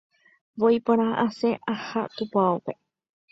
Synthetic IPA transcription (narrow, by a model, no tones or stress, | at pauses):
ʋojpoɾ̃ãaʔaseʔahat̪upoaupe̞